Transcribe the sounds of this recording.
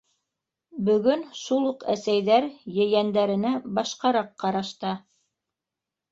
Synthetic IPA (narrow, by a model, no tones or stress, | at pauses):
bɵ̆ɡɵnʃulˠuqæsæjðæɾjɘ̆jænd̪æɾɘ̆næbɑʃqɑɾɑqːɑɾɑʃt̪ɑ